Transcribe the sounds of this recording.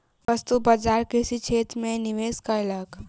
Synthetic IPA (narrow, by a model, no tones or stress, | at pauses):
ʋɐst̪ubad͡ʒaːɾkesit͡ʃʰeːt̪mẽniʋeːskaɪlaɡ